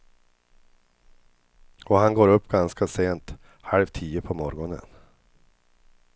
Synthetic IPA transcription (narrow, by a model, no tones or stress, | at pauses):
ɔhanɡoːɾɵpːɡanskaseːnt̪ | halvt̪ʰiːəpʰɔmɔɾɡɔnə̰n